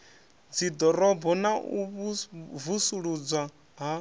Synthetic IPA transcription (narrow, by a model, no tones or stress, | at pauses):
d͡zid̪ɔɾɔbɔnaʔu | vusuɺud͡zwa | ɦa